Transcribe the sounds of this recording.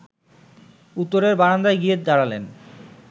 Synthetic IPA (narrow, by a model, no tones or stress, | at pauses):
ut̪ːoɾeɾbaɽand̪ajɡied̪aɽalen